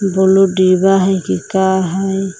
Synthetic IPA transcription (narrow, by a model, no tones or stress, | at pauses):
buludibaɦajkikaɦaj